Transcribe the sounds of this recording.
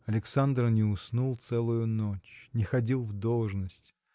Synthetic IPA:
ɐlʲɪksand̪rnʲɪʊsnulˠt̪sɛlˠʊjʊnot͡ɕnʲɪxɐdʲilˠvd̪olˠʐnəsʲtʲ

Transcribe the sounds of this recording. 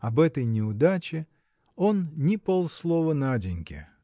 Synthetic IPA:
ɐbɛt̪əjnʲɪʊd̪at͡ɕɪ | o̞nnʲɪpolˠslˠovənadʲɪnʲkʲɪ̰

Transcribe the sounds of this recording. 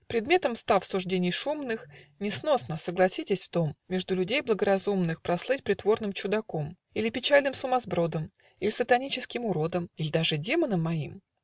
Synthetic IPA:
pɾʲɪd̪mʲe̞t̪əmst̪afsʊʐdʲenʲɪjʂumnɨxnʲɪsno̞snəsəɡlˠɐsʲitʲɪsʲft̪o̞mːʲeʐd̪ʊlʲʉdʲejblˠəɡəɾɐzumnɨxpɾɐslˠɨt̚ʲpɾʲɪt̪vo̞rnɨmt͡ɕʊd̪ɐkom | ilʲɪpʲɪt͡ɕalʲnɨmsʊmɐzbɾo̞d̪əm | ilʲɪsət̪ɐnʲit͡ɕɪskʲɪmʊɾo̞d̪əmilʲɪd̪aʐɨdʲe̞mənəmːɐim

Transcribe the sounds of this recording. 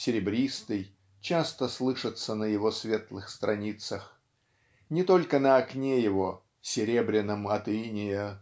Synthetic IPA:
sʲɪɾʲɪbɾʲist̪ɨj | t͡ɕast̪əslˠɨʂɨt̪sənəjɪvo̞svʲe̞t̪lˠɨxst̪ɾʔɐnʲit̪səx | nʲɪt̪o̞lʲkənəɐknʲejɪvo̞ | sʲɪɾʲe̞bɾʲɪnːəmɐt̪inʲɪjə

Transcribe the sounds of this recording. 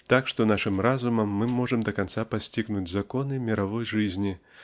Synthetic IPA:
t̪akʂt̪ɔnaʂɨmɾazumɐmːɨmɔʐɐmd̪ɐkansapasʲt͡sʲiɣnud͡zʲzakɔnɨmʲiɾavɔjʐɨzʲnʲi

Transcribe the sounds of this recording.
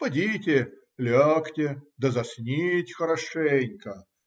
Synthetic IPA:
pɐdʲitʲɪ | lʲɔktʲɪd̪əzɐsʲnʲitʲxəɾɐʂɛnʲkə

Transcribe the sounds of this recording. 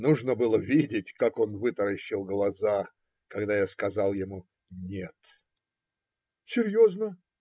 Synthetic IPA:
nuʐnəbɨlˠəvʲidʲɪtʲkako̞nvɨt̪əɾəɕːɪlˠɡlˠɐza | kɐɡd̪ajaskɐzalˠjɪmu | nʲet̪ | sʲɪɾʲjoznə

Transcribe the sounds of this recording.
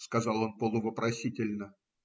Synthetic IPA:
skɐzɑlˠo̞npəlˠʊvəpɾʔɐsʲitʲɪlʲnə

